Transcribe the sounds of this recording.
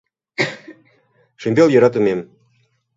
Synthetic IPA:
ʃimʲbʲelˠjɤ̆ɾɑt̪ɤ̆mʲem

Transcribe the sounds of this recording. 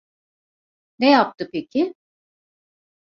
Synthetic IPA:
nejap̚t̪ʰɯpe̞cʰɪ

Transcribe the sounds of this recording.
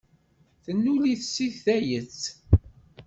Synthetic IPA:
θənːuliθsiθːæjət͡sː

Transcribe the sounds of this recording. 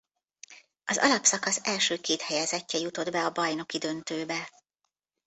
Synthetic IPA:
ɒzɒ̰lɒpsɒkɒsɛlʃøːkeːt̪hɛjɛzɛcːɛjut̪o̞d̪bɛɒbɒjno̞kid̪ø̞nt̪øːbɛ

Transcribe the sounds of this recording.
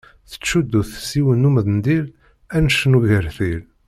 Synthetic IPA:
θə̥t͡ʃːud̪ːuθsiwənːuməðnd̪il | ænəʃənuɣəɾθil

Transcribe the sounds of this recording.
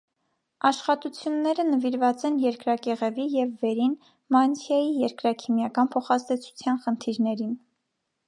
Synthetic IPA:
ɑʃχɑt̪ut͡sʰjunːɛɾənəviɾvɑt͡sɛnjɛɾkɾɑkɛʁɛvijɛvːɛɾin | mɑnsʰjɑjijɛɾkɾɑkʰimjɑkɑnpʰɔχɑzd̪ɛt͡sʰu̥t͡sʰjɑnχənt̪ʰiɾnɛɾin

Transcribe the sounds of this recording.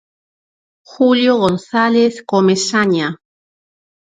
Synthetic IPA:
xuljoɣonθaleθkomesaɲa

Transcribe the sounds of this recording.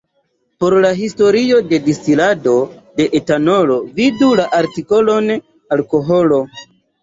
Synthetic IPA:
po̞ɾlaɦisto̞ɾio̞de̞distilado̞de̞ʔetano̞lo̞vidulaʔaɾtiko̞lo̞n | alko̞ɦo̞lo̞

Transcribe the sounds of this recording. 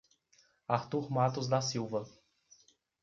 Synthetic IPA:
aɾt̪uɾmat̪ʊzd̪asiwvɐ

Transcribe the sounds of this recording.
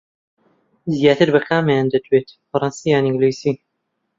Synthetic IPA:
zijaːt̪ʰɨɾbɐxaːmajaːnd̪ɐd̪ʰwet̪fɐɾˤɑnsijaːnĩŋɡlojsi

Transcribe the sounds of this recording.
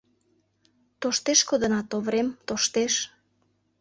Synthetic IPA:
t̪oʃt̪eʃkod̪ənɑt̪oβɾemt̪oʃt̪eʃ

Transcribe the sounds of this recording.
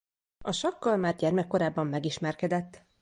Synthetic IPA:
ɒʃɒkːɒlmaːrɟɛrmɛkːo̞ɾaːbːɒmːɛɡiʃmɛrkɛd̪ɛt̪ː

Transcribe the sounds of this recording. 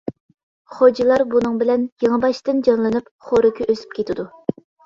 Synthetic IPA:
χod͡ʒilˠɑɾbunɨŋbɪlɛnjeŋɨbɑʃt̪ɨnd͡ʒɑnlˠɨnɨp | χoɾɨkʲʰyʔøsy̥p̚kʲʰet̪ʰɪd̪u

